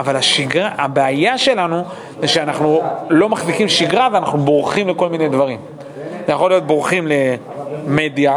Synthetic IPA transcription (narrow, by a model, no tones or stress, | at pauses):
avalaʃiɡʁaabeajaʃe̞lanu | ziʃeanaχnulo̞maχzikimʃiɡʁaveana̰χnubʁuχimleko̞lmine̞jdvaʁim | zejaχolijo̞t̪̚bʁuχimle̞ | me̞dja